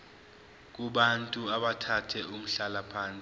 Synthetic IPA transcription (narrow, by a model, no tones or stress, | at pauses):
k̬ʼuɓantʼuaɓatʰatʰɛum̩ɬalapʰaːnt͡sʼi